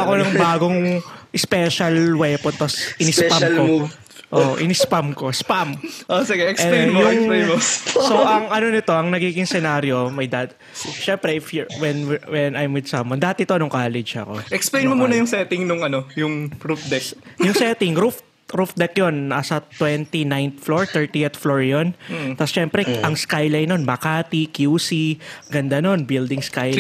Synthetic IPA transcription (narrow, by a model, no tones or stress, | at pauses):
ɐkonɐŋbaːɡoŋʔɪspɛʃɐlwɛpont̪osʔɪnɪspamko | ʔo̰ʔʔɪnɪspamkospamʔosɪɡɛʔɛkɛjʊŋemosoʔɐŋʔɐno̞nɪt̪o̞ʔɐŋnɐɡiːɡɪŋsɛnaːɾjo̞mɐjd̪ad̪̚ | ʃɛmpɾɛʔɪfjwɛnwɛnajmwɪd̪sɐmwɐnd̪aːɐt̪ɪt̪o̞nʊŋkaːlɛd͡ʒɐ̰ko̞̰ʔɛksplejnmomuːnɐjʊŋsɛt̪ɪŋnʊŋɐnojʊŋɾufd̪ɛk̚jʊŋsɛt̪ɪŋɾuf | ɾufd̪ɛkjo̞nɐsɐt̪wɛnt̪inajnt̪floɹt̪ɛɹt̪iɛt̪floɹjont̪ɐsʃɛmpɾɛʔɐŋskajlɐjnonmɐkaːt̪ikjuːsiɡɐnd̪ano̞nbɪld̪ɪŋskaj